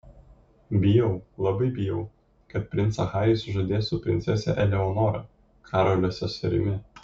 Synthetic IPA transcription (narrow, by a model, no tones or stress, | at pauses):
bʲɪjɛʊlˠɐbɐɪbʲɪjɛʊ | kɐt̪̚pʲɾʲɪnt̪sɐxɑːjʲɪsʊʒɐd̪ʲeːsʊpʲɾʲɪnt̪sʲɛsʲɛ̰ʔɛlʲɛɔnɔːɾɐ̰ | kʰɑːɾolʲoːsʲɛsɐɾʲɪ̰mʲɪ